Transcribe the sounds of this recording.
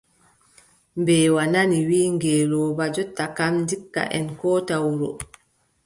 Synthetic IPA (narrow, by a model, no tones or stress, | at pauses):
mbɛːwananiwiːŋɡɛːlɔːbad͡ʒɔtːakamndikːa̰ʔɛnkɔːtawuɾɔ̰